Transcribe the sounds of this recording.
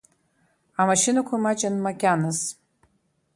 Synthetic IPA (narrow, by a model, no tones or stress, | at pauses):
amaʃinakʷʰamat͡ʃʼanmaɡʲanɨz